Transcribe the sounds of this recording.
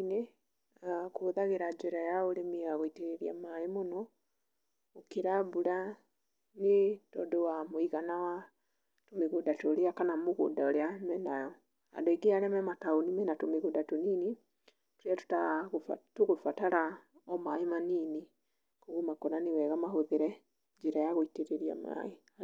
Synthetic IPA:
ne | koðaɣeɾad͡ʒoɾajaoɾemiaɣɔiteɾeɾia̰maemonɔ | okeɾaβuɾa | netɔdowamoiɣanawa | tomeɣodatoɾeakanamoɣo̰daoɾeamɛnajɔ | a̰doiɡeaɾɛmɛmataonimɛnatomeɣudatunini | tuɾatu̥taɣtuɣufataɾaɔmaimaniːni | koɣumakonaniwɛɣamaɦoβeɾɛ | ɲd͡ʒiɾajaɣoiteɾeɾja̰ma̰i

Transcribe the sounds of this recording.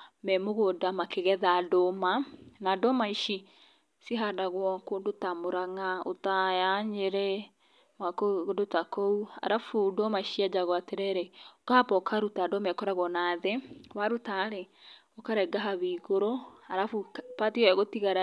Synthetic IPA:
mɛmoɣodamakeɣɛðadomanadɔmaiʃi | siɦadaɣwɔkondotamoɾaŋao̰tajaɲeɾɛ | mwakoodotakoua̰ɾafudɔmaiʃiad͡ʒaɣɔateɾɛɾeokapɔkʰaɾutadɔmɛkɔɾaɣwɔnaðɛwaɾutaɾɛɔkaɾɛɡaɦaβiɣoɾoaɾafupatiɔɛɣotiɣaɾa

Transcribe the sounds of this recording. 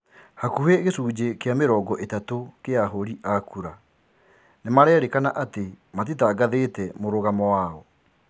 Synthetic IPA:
hakuheɣesuːd͡ʑekeameɾɔːɡɔʔetatokeaɦoɾiʔakuɾa | nemaɾɛːɾekanaʔate | mat̬itaːɡaðetɛmoɾoɣamɔwaɔ

